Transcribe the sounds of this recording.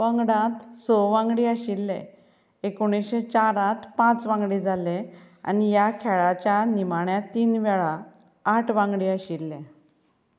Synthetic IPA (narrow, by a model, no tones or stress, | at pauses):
ʋə̃ŋɡɽãt̪sɔʋãŋɡɽiːaɕilːḛ̃ | ekoɽ̃isɕet͡ɕaɾãt̪pãt͡sʋãŋɡɽiːd͡zʱale | a̰nijakʰɛɭat͡ɕjanimaɳjat̪iːnʋɛɭaː | ʈʰʋãŋɡɽiːəɕilːẽ